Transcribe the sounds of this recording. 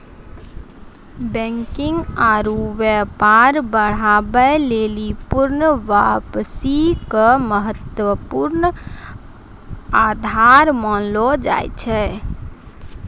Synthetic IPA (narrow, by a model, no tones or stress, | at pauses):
bɛ̃ŋkɪŋɡaɾuʋəpaɾbəɽ̤abəlelipuɾnʋapsikəməɦət̪wəpuɾn | ad̪ʱaɾmənlɔd͡ʒa̰jt͡ʃʰɛ